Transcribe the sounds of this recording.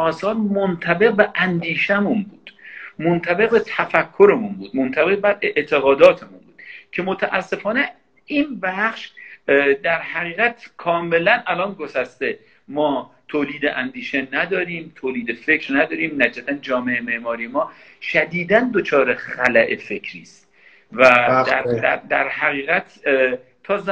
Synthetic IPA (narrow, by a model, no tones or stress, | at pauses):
ɒːsɒːɾmont̪ʰæbe̞q̚beʔænd̪iːʃemunbuːd̪̥mont̪ʰæbe̞ɣbet̪ʰæfækʰːo̞ɾemunbuːd̪mont̪ʰæbe̞ɣbæɾeʔt̪ʰe̞ɣɒːd̪ɒːt̪ʰemunbuːd̪̥cʰe̞mo̞t̪ʰæʔæsːe̞fɒːne | inbæχʃ | d̪æɾhæʁiːʁæt̪ʰkʰɒːme̞lænælɒːnɡosæst̪e̞ | mɒːt̪ʰoːliːd̪eʔænd̪iːʃe̞næd̪ɒːɾiːmt̪ʰoːliːd̪efe̞cɾnæd̪ɒːɾiːmnæd͡ʒæt̪ʰænd͡ʒɒːmeememɒːɾijemɒː | ʃæd̪iːd̪ænd̪o̞t͡ʃʰɒːɾexælæʔe̞fe̞cʰɾiːst̪ | vææd̪æd̪æɾhæɣiːɣæt̪ʰ | t̪ʰɒːz